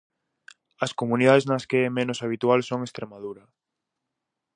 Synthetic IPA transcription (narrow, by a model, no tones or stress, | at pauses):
ɐskomuniðaðeznɐskeɛmenosaβit̪ualsoŋest̪ɾemaðuɾɐ